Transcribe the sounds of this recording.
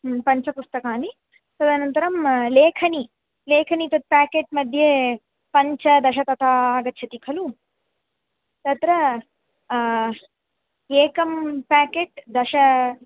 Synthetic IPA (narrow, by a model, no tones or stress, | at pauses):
pɐɲt͡ʃɐpust̪ɐkaːni | t̪ɐd̪ʱanɐnt̪ɐɾɐmleːkʰɐni | leːkʰɐnit̪ɐt̪̚paːkeːʈ̚mɐd̪ʱje | pɐɲt͡ʃɐd̪ɐʃɐt̪ɐt̪ʰaːaːɡɐt̪ːt͡ʃʰɐt̪ikʰɐlu | t̪ɐt̪ɾɐ | eːkɐmpaːkeːʈd̪ɐʃɐ